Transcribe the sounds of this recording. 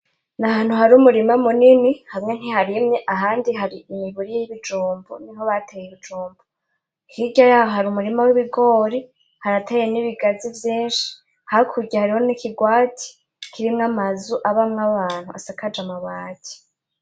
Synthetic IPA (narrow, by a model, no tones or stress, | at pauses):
nahaːn̥huhaɾumuɾimamuninihamŋe̞n̥ihaɾimɲeʔaɦaːndiɦaɾiimiβuɾijjiβid͡ʒuːmbonimhoβatʰejiβid͡ʒuːmbo | hiɟajaːhoɦaɾumuɾimawiβiɡo̞ːɾi | haɾatʰejeniβiɡazivjiːnʃi̥ | hakʰuɾɡɟahaɾiho̞nikiɡwaːtʰi̥ | kʰiɾimŋamazuʔaβamŋaβaːn̥huʔasakad͡ʒamaβaːɟi̥